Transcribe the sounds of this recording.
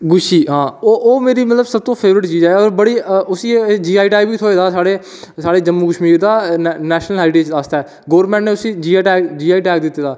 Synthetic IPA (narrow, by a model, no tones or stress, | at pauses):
ɡʊʃiːɦãːoʔoːmeːɾiːmət̪ləbsəb̚t̪õːpʰeːʋɾɪʈt͡ʃiːd͡ʒɛːɔːɾbəɽiːʊsiːd͡ʒiːaːiʈaːibiːt̪ʰoːeːd̪aːsaːɽeː | saːɽeːd͡ʒəmːuːkəʃmiːɾd̪aːnɛːʃnəlɦɛːʈeːt͡ʃast̪aɛː | ɡoːɾmɛ̃ːɳʈnẽːʊsiːd͡ʒiːaːʈɛːkd͡ʒiːaːiːʈɛːkd̪ɪt̪ːeːd̪aː